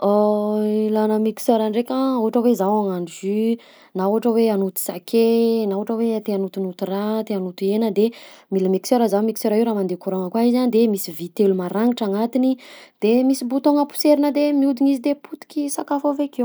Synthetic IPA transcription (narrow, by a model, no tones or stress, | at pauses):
oilanəmiki̥søɾaɳɖ͡ʐekʲauaʈ͡ʂəwezawaŋaɳzy | nauɦaʈ͡ʂəweanut̪u̥sakʰenauaʈ͡ʂəwet̪eanut̪unut̪urat̪eanut̪uenəd̪emiləmiksøɾəzawmiki̥seɾaiuɾaːmand̪ekuɾoŋəkwaizand̪emisivit̪elumaɾaŋiʈ͡ʂaŋat̪inid̪̥emisibut̪oŋəpu̥seɾinəd̪emiud̪iɲizid̪eput̪i̥kʲisakafovekew